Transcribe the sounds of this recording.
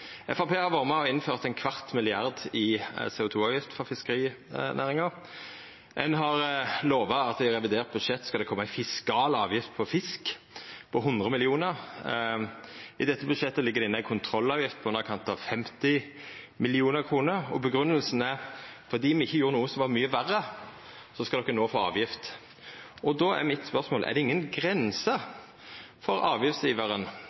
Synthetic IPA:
ɛ̰fɑʁpʰeːhɑɾʋɑːɾʁəmɛɔɪnføːʁt̪æɪnkʰʋɑʁt̪mɪlɪɑɾd̪ɪseːʊt̪ʰuːɑːʋjɪft̪fɔʁfɪskəɾiː | næːʁɾɪŋɑʁ | ɛnɦɑʁloːʋɑɑt̪̚d̪ɪɾɛʋɪd̪eːʁt̪̚bʉd̪ʂɛt̪ːskɑd̪ɛkʰɔmːɑæɪfɪskɑːlɑːʋjɪft̪̚pʰɔfɪsk | pʰɔɦʊnd̪ʁəmɪlɪuːnəʁ | ɪd̪ɛt̪ːəbʉd̪ʂɛt̪ːəlɪɡːəd̪ɛɪnəæɪkʰʊnt̪ʰɾɔlːɑːʋjɪft̪̚pʰɔʉnəɾkʰɑnt̪ɑʋfɛmt̪ɪ | mɪlɪuːnəʁkʰʁuːnəʁɔbəɡɾʉnːəlsn̩əfɔʁd̪iːmɛɪçːəjuːɾənuːəsɔmʋɑmyːəʋærːə | sɔskɑd̪ɔkːənoːfoːɑ̰ːʋjɪft̪ | ɔd̪ɔæ̰mɪt̪spœʁsmoːlʔɛ̰ʁd̪ɛɪŋːənɡʁɛnsə | fɔɾɑːʋjɪft̪sjiːʋəʁən

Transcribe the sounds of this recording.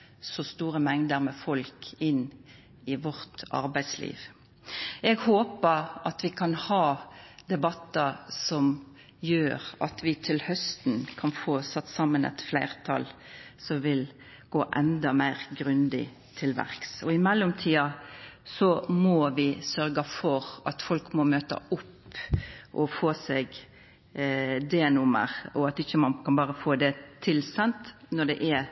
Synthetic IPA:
sɔst̪uːʁəmɛŋd̪əɾmɛfɔlkɪn | ɪʋɔʁt̪ʔɑ̰ɾbæɪd̪slḭːʋ | ɛɡhoːpəɾʔɑt̪ʋɪkʰɑnhɑːd̪ɛbɑt̪ːɑsɔm | jøːʁɑ̰t̪ʰʋɪt̪ʰɪlhœst̪n̩kʰɑnfoːsɑt̪ːsɑmːənɛ̰t̪flæɪʁt̪ʰɑ̰lsɔmʋɪl | ɡ̥oːʔɛnd̪ɑmæɪɾɡɾʉnd̪ɪ̰ | t̪ʰɪlʋæ̰ɾksɔɪmɛlːʊmt̪ʰiːɑsɔmɔʋɪsœɾɡəfɔɾʔɑt̪fɔlkmɔmøːt̪ɑ̰ʊpː | ʔɔfoːsɛɡ | d̪eːnʊmə̰ɾɔɑt̪ɪçːəmɑnkʰɑnbɑːɾəfoːd̪ɛt̪ʰɪlsɛnt̪nɔɖɛʔɛ

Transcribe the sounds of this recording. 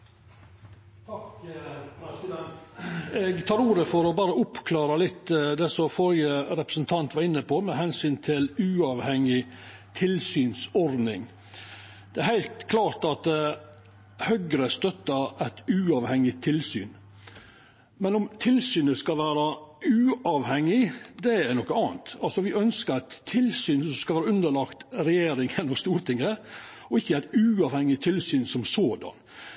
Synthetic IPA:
eɡt̪ʰɑːɾuːɾəfɔɾɔbɑːɾəʊpkʰlɑːɾɑlɪt̪ːd̪ɛsɔfɔɾjəɾɛpɾəsnt̪ʰɑnt̪ʋɑɾɪnːəpʰoːmɛhɛnsyːnt̪ʰɪlʉːɑʋhɛŋɪ | t̪ʰɪlsyːnsɔɾd̪nɪŋ | d̪̥ɛæɾhæɪlt̪kʰlɑːɾʈɑt̪̚d̪ | hœɡɾəst̪œt̪ːəɾæɪt̪ʉːɑʋhɛŋːɪt̪ʰːɪlsyːn | mɛnɔmt̪ʰɪlsyːnəskɑlʋæːɾɑʉːɑʋhɛŋːɪd̪ɛænɔkːəɑːnt̪ɑlsɔʋɪœnskəɾæɪt̪ʰːɪlsyːnɔskɑlʋæːɾɑʉnd̪əɭɑːkt̪ɾɛjeːɾɪŋjɛnːɔmst̪uːɾt̪ʰɪŋːə | ɔɪçːəæɪt̪ʉːɑʋhɛŋːɪt̪ʰɪlsyːnsɔmsoːd̪ɑ̰n

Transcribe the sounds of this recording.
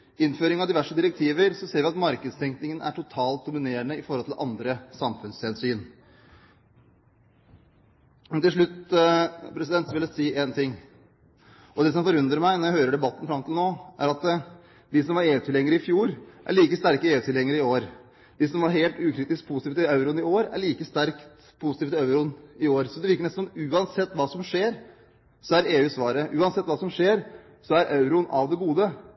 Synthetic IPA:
ɪnføːɾɪŋɑʋd̪ɪʋæʂəd̪ɪɾɛk̚t̪ʰiːʋəɾsɔseːɾʋɪɑt̪mɑɾkəd̪st̪ʰɛŋknɪŋənʔæ̰ʈʰʊt̪ʰɑːlt̪̚d̪ʊmɪneːɾənəɪfɔɾhɔlt̪ʰɪlʔɑ̰nd̪ɾəsɑmfʉnsɛnsyːn | mɛnt̪ɪlʂɭʉt̪ː | pʰɾɛs̬ɪd̪ɛnt̪sɔʋɪləsiːʔeːnt̪ʰɪŋː | ʔɔd̪ɛs̬ɔmfɔɾʉnd̪ɾəɾmæɪnɔɾjæɪhøːɾəɖɛbɑt̪ːn̩fɾɑmɔt̪ʰɪlnoːʔæ̰ɾɑt̪ | d̪ɪsɔmʋɑɾeːʉːt̪ʰɪlɛŋːəɾəɪfjuːɾʔæ̰ɭiːkəst̪æɾkəeːʉːt̪ʰɪlhɛŋːəɾəɪoːɾ | d̪̥ɪsɔmʋɑɾɦeːlt̪ʉːkʰɾiːt̪ɪsk̚pʰʊst̪ːfət̪ɪɑʉɾʊnɪoːɾæ̰ɭiːkəst̪æɾkt̪ | pʰʊsɪt̪iːft̪əɑʉɾʊnɪoːɾsɔd̪ɛʋɪɾkəɳnɛst̪n̩ɔmʉːɑnsɛt̪ːʋɑːsɔmʂeːɾ | sɔæɾeːʉːsʋɑːɾəʔʉːɑnsɛt̪ːʋɑːsɔmʂeːɾ | sɔæɾʔɑʉɾʊnɑʋd̪ɛɡuːd̪ə

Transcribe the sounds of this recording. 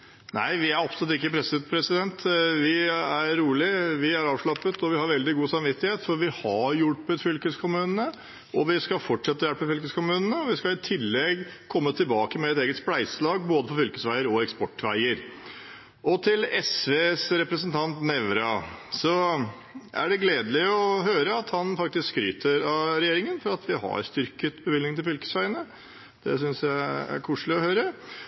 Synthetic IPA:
næ̰ɪʋɪæɾɑpsɔlʉt̪ɪkːəpʰɾɛsɪpʰɾɛsɪd̪ɛnt̪ʋɪæɾːuːlɪʋɪæɾɑːʋʂɭɑpːət̪ʰɔʋɪhɑɾʋɛld̪ɪɡuːsɑmʋɪt̪ːɪheːt̪fɔɾʋɪhɑɾjʊʈpət̪fʏlkəskʰʊmʉːnənə | ʔɔʋɪskɑfɔʈʂɛt̪ːəjælpːəfʏlkəskʊmʉːnənəɔʋɪskɑɪt̪ʰɪlːɛɡkʰɔmːət̪ʰɪlbɑːkəmɛɛt̪eːɡət̪splæɪsəlɑːɡboːd̪əfɔɾfʏlkəsʋæɪəɾɔɛkspɔʈːʋæɪəɾ | ʔɔt̪ʰɪlɛsʋeːsɾɛpɾəsənt̪ʰɑnt̪nɛʋɾɑsɔ | ʔæ̰ɖɛɡleːd̪əlɪɔɦøːɾəɑt̪hɑnfɑk̚t̪ɪskskɾy̰ːt̪ʰəɾɑɾɛjeːɾɪŋənfɔɾɑt̪ʰʋɪhɑ̰ɾst̪ʏɾkət̪bəʋɪlnɪŋt̪ɪlfʏlkə̥sʋæɪənə | d̪̥ɛ̰s̬ʏnsjæɪæ̰ɾkʰuːʂlɪɔhøːɾə

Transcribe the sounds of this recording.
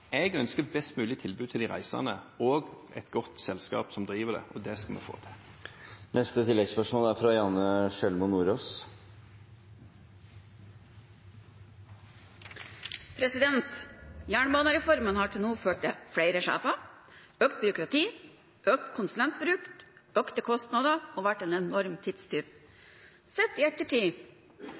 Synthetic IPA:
ɛɡœnskəbɛst̪mʉːlɪt̪ʰɪlbʉːt̪ʰɪld̪ɪːɾæ̰ɪsɑ̰nəoːɡ | ɛ̰t̪ɡɔt̪sɛlskɑ̰ːpsɔmd̪ɾiːʋəɖɛ̰ʔɔd̪ɛskɑlmɛ̰fo̰ːt̪ʰɪ | nɛst̪ət̪ʰɪlːɛɡspœʂmoːlæɾfɾɑjɑːnəʂɛlmʊnuːɾoːs | pʰɾɛsɪd̪ɛnt̪jæːɳəbɑːnəɾɛfɔɾmənhɑːʈʰɪlnuːføːʈ̚d̪efɽeɪɾəʃæ̰ːfɑ | øːk̚t̪̚bʏɾʊkɾɑt̪ʰiː | ʔøːk̚t̪kʰʊnsʉlɛnt̪̚bɾʉːkøːkt̪əkʰɔst̪nɑd̪əoːʋæʈːeːnɛnɔɾmt̪ʰɪd̪st̪ʰyːɾ | sɛt̪ːiːɛt̪ːəʈʰiː

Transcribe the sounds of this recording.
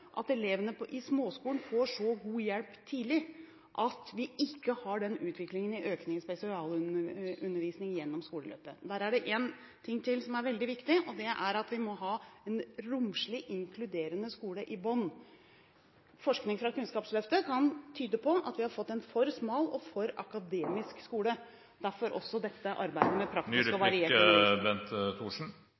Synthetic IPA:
ʔɑ̰t̪ɛleːʋənəpʰɔʔɪsmoːskuːɳn̩foːʂɔɡuːjɛlpt̪ʰiːlɪ | ʔɑt̪ʋɪʔɪkːəhɑɖɛnʉːt̪ʋɪklɪŋənɪʔøːknɪŋspɛsɪɑːlʉəʉnːəɾʋiːsnɪŋjɛnːɔmskuːləlø̰ːpəd̪æːɾæɖɛʔeːn | t̪ʰɪŋːt̪ʰɪlsɔmæɾʋɛld̪ɪʋɪkt̪ɪʔɔd̪ɛʔæɾɑt̪ʋɪmɔɦɑːɛnɾʊmʂɭɪʔɪŋkʰlʉd̪eːɾənəskuːləʔɪbɔnː | fɔʂknɪŋfɾɑkʉnskɑːpslœft̪əkʰɑnt̪ʰyːd̪əpʰɔʔɑ̰t̪ʋɪhɑɾfɔt̪ːɛnfɔɾsmɑːlɔfɔɾɑkɑd̪eːmɪskskuːlə | d̪̥æɾfɔɾʔɔ̰sːɔd̪ɛt̪ːəʔɑ̰ɾbæɪd̪əmɛpʰɾɑkt̪ɪsɔʋɑɾɪeːbɛnt̪t̪ʰuːʂɳ̩

